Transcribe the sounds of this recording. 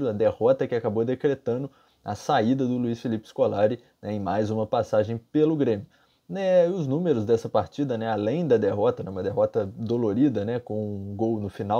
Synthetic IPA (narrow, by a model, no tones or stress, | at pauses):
ɾʊɐd̪ehɔt̪ɐkɪakabod̪ekɾet̪ɐ̃d̪ʊ | ɐ̰said̪ɐd̪ʊluisfilipɪ̥skolaɾɪ | nɛẽj̃majzũmɐpasaʒẽj̃pelʊɡɾẽmjʊ | nɛʊznũmeɾʊzd̪ɛsɐpaɾt͡ʃid̪ɐnɛalẽj̃d̪ɐd̪eɦɔt̪ɐnɛũmɐd̪eɦɔt̪ɐd̪oloɾid̪ɐnɛkõw̃ũɡownʊfina